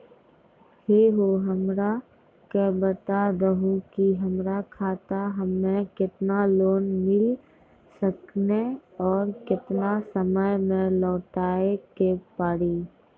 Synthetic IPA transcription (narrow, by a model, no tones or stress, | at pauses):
heːɦoɦəmɾa | kebət̪aɾəɦukiɦəmɾakʰaːt̪aɦəmːẽkɪt̪naloːnmɪl | səkneɔːɾkɪt̪nasəməjmẽlɔːʈaːekepaːɽiː